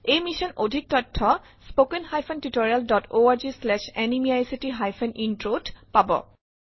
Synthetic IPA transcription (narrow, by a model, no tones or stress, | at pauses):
ejmisɔnodʱik̚tɔtʰːɔ | spokenhajpʰɔntitoɹialdɔtoaɹd͡ʒislɛʃɛnimiajsitiɦajpʰɔnʔintɹodpabɔ̰